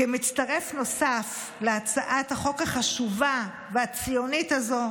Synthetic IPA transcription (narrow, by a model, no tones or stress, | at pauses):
emit͡staʁe̞fno̞saf | leat͡saʔathaχo̞kaχaʃuva | veat͡sijo̞nitazo̞